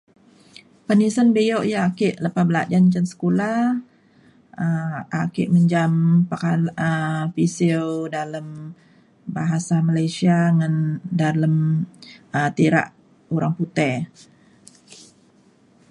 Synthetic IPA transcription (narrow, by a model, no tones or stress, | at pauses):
pənisənbejoʔjaːkɪʔləpabəla̰ʔd͡ʒant͡ʃənsə̥kula | əʔakɪ̰ʔməɲd͡ʒampakaləpisɪwdaləm | baɦasamalajsiaŋandaləm | ət̪iɾa̰ʔ | uɾaŋput̪ɛ